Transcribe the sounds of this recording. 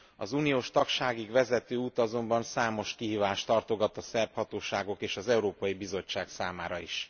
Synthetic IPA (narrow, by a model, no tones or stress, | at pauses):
ɒzunijoːʃt̪ɒkʃaːɡiɡʋɛzɛt̪øːuːt̪ɒzo̞mbɒnsaːmo̞ʃkiɦiːvaːʃt̪ɒrt̪o̞ɡɒt̪ɒsɛrphɒt̪oːʃaːɡo̞keːʃɒzɛuɾoːpɒjibizo̞t͡ʃːaːksaːmaːɾɒḭʃ